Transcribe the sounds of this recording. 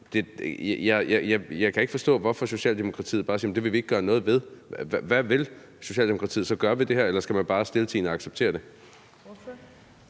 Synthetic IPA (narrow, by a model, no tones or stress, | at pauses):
d̥e̝jɑjɑɪjɑ̈jɑ̈ɪkʰæe̝ɡ̥fɒ̽sd̥ɔ̰̽ːʋɒfɒ̽so̝ɕɛ̰ːld̥emo̝kʰʁɑ̈t͡sʰḭːð̩ˠb̥ɑ̈ːsiːem̩d̥e̝ʋe̝ʋie̝ɡ̥̚ɡ̥ɶːɐnɔ̽ːð̞̩ˠʋe̝ð̞ˠʋæʋe̝l | so̝ɕɛ̰ːldemo̝kʰʁɑ̈t͡sʰḭð̩ˠsɒ̽ɡ̥ɶɐʋid̥e̝heɐ̰elɐsɡ̥æmænb̥ɑ̈ːsd̥e̝lt͡sʰḭːnɒɑ̈ɡ̥seb̥t͡sʰe̝̰ːɐd̥e̝